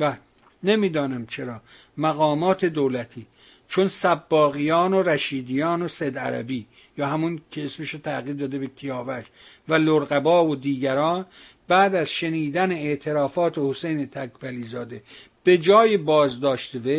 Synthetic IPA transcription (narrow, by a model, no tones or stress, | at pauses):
bæ | nemiːd̪ɒːnæmt͡ʃʰe̞ɾɒː | mæɣɒːmɒːt̪ʰe̞d̪oːlæt̪ʰiː | t͡ʃʰonsæbːɒːɣijɒːnoɾæʃiːd̪ijɒːnosed̪æ̰ɾæ̰biː | jɒːhæmuncʰeesmeʃot̪ʰæɣiːɾd̪ɒːd̪e̞bekʰijɒːvæʃ | væloɾɣæbɒːod̪iːɡæɾɒːn | bæːd̪æzʃeniːd̪æneeʔt̪ʰe̞ɾɒːfɒːt̪ʰe̞hosejne̞t̪ʰækʰbæliːzɒːd̪eb̥e̞d͡ʒɒːjebɒːzd̪ɒːʃt̪eve